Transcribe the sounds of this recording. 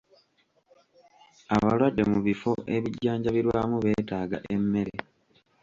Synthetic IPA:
aβalwadːe̞muβifo̞ʔe̞βiɟːaːɲɟaβiɾwaːmuβe̞ːtaːɡa̰ʔe̞mːe̞ɾe

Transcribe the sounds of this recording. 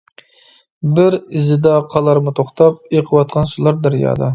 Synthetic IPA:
bɪɾɪzɪd̪ɑqʰɑlˠɑɾmut̪ʰoχt̪ɑp̚eqʰəwɑt̪̚qʰɑnʃulˠɑɾd̪æɾjɑ̰ːd̪ɑ

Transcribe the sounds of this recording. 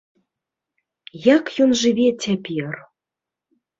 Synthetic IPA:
jɑkjonʒɨβʲetʲæpʲiɤr

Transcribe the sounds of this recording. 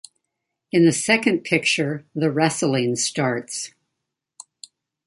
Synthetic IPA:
ɨ̃nðɨsɛkɨ̃npʰɪk̚t͡ʃə˞ðɨɹɛsl̩ˠĩnstɑɹts

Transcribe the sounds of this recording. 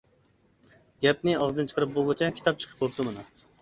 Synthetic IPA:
ɡʲɛp̚nɪɑʁzɨnɨt͡ʃʰə̥qəɾɨp̚bolˠʁɨt͡ʃʰɛkʲʰi̥t̪ɑp̚t͡ʃʰə̥qʰə̥p̚bop̚t̪ɨmɨnu

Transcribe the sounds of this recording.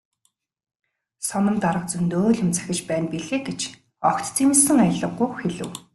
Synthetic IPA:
sɔnɞ̆mt̪aɾə̆q̚t͡sunt̪oːɮʊ̆mt͡sʰæ̥xʲɪ̆t͡ɕpæːnpiɮeːket͡ɕ | ɔkt̪t͡sʰimɘ̆sɘ̆ŋajə̆ɮə̆qːʊxeɮɘ̆w

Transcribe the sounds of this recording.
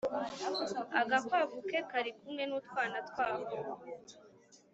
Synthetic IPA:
aɡakwaːvuke̞kaɾikumŋe̞nutwaːnatwaːvo

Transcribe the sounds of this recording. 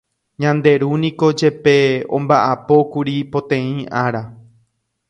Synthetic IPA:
ɲãnd̪e̞ɾunĩko̞d͡ʒe̞pe̞õ̰mbaʔapo̞kuɾipo̞t̪ẽ̞ĩʔaɾa

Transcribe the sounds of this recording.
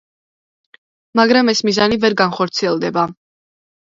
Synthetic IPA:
maɡɾamɛsmizanivɛɾɡanχɔɾt̪sʰiɛlˠd̪ɛba

